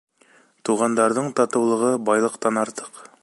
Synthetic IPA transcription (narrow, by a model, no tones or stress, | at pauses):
t̪uʁɑnd̪ɑɾðɤɴt̪ɑt̪ɤ̆wlˠɤ̆ʁɤbɑjlˠɤ̆qt̪ɑnɑɾt̪ɤ̥q